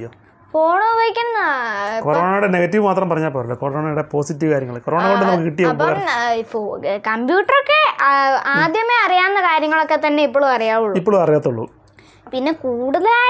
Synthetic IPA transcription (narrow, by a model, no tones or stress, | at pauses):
joː | foːɳoːbɐjikʲːɐnːkoɾoːɳaːjuɽene̞ɣɐtːiʋmaːt̪rɐmpɐrɐɲːaːpːoːɾɐlːokoɾoːɳaːjuɽe̞po̞ːsitːiʋɨkaːɾjɐŋːɐɭkoɾoːɳɐkoɖɨnɐmɐkːɨkiʈːijɐɐboifokɐmbjuːʈːɐrokːe̞aːd̪jɐmeɐrijaːnːɐkaːɾjɐŋːɐɭo̞kːe̞t̪ɐnːe̞ip̬ːoːɭumɐrijaːʋuɭːipːoɭumɐrijaːt̪ːuɭːṵ | pinːe̞kuːɽuðɐlaː